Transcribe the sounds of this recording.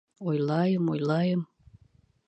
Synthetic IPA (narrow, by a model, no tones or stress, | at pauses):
ojlˠɑjəmojlɑjəm